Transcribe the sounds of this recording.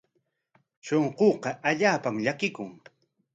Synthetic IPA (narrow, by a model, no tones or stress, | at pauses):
ʃoɴqoːqɑʔaʎaːpamʎakɪkʊŋ